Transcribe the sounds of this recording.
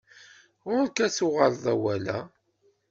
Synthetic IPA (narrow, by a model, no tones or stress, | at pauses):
ʊɾkæsʊʁəlðˤæwælæ̰